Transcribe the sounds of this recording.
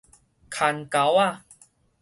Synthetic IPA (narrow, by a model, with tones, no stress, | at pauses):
kʰa˨˧˩nka˨˦wa˥˧˨